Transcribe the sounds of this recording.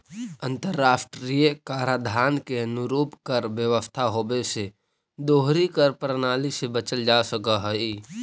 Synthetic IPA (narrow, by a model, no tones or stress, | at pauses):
ə̃nt̪əɾːaːsʈɾijekaːɾad̪ʱaːnkeənʊɾuːpkəɾʋjəʋəst̪ʰaɦoːbese | d̪oːɦɾikəɾpɾənaːlisebət͡ʃəld͡ʒaːsəkaɦəi